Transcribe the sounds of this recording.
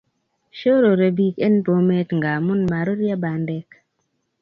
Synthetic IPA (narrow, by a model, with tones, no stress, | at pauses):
ʃo˦ɾo˨ɾe˨bi˦ke˦npo˨me˦tŋɡa˨mu˦nma˨ɾo˦ɾja˦ba˨ndɛ˦k